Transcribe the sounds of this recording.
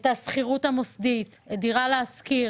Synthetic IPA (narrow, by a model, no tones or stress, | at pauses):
tasχiʁutamosd̪it | ediʁaleːski